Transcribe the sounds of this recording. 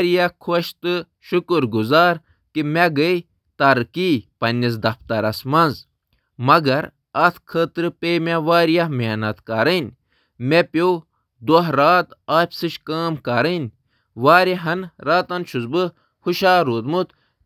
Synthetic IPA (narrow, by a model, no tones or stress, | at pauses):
ɾijakʰoʃt̪ɨ | ʃukɨɾɡuzaːɾ | kimeɡəi | t̪ɐɾkipɐnʲːis̬d̪ɐft̪ɐɾɐsmɐnz | mɐɡɐɾ | ɐt̪ʰkʰəːt̪ɾɨpemʲeʋaːɾijamenɐt̪kaɾənʲ | mepow | d̪oɦɾaːt̪aːpʲsɨʃkaːmkɐɾənʲ | ʋaːɾeɦɐnɾaːt̪ɐnʃuzbɨ | huʃaːɾuːt̪mut̪